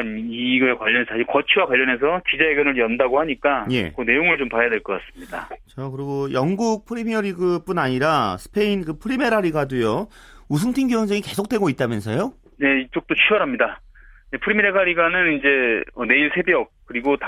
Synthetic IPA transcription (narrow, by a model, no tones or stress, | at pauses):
iɡɯekwaʎːʌnesʰʌikʌt͡ɕʰiwakwaʎːʌne̞s̬ʰʌt͡ɕid͡ʑaeɡjʌnɯɭjʌndaɡohaɲik͈aje̞̰kɯne̞joŋɯɭt͡ɕompaajadwe̞ɭk͈ʌk͈as͈ɯ̥mɲida̰t͡ɕakɯɾiɡojʌŋɡuk̚pʰɯɾimiʌɾiɡɯp͈unaɲiɾasʰɯ̥pʰe̞inkɯpʰɯɾime̞ɾaɾiɡadujo | us̬ʰɯŋtʰiŋɡiwʌnsʰʌŋike̞sʰok̚t͈we̞ɡoit̚t͈amjʌnsʰʌjo | ne̞it͡ɕ͈ok̚t͈ot͡ɕʰiʌɾɦamɲida | je̞pʰɯɾimeɾeɡaɾiɡanɯnind͡ʑe̞ʌne̞iɭsʰe̞beʌk̚k͈ɯɾiɡot